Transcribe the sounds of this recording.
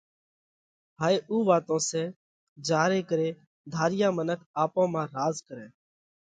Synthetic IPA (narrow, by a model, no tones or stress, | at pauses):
ɦaːeːʔuːʋaːt̪õːsɛː | d͡ʒaːɾeːkəɾeː | d̪ʱaːɾɪjãːmənəkʰaːpõːmãːɾaːzkəɾɛ̃ː